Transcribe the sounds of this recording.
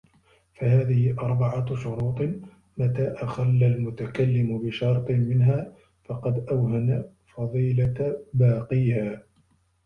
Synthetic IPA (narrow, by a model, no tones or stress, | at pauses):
faɦaːðɪhɪʔɑɾˤbɑʕaʃʊɾuːt̪ˤ | mat̪aːʔaxalːalmʊt̪akalːɪmʊbɪʃɑɾˤt̪ˤmɪnɦaː | fɑqɑd̪ʔawɦana | fɑðˤiːlabɑːqiːhaː